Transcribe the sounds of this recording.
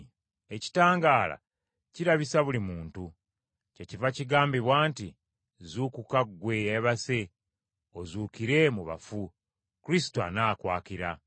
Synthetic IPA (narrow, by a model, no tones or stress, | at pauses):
e̞ci̥taːŋɡaːla̰ | ciɾaβisaβulimuːntu | ce̞civaciɡaːmbiβwaːnti | zuːkukaɡwe̞eβase̞ | o̞zuːkiɾe̞muβa̰fu | kuɾis̬i̥toa̰naːkwaːkiɾa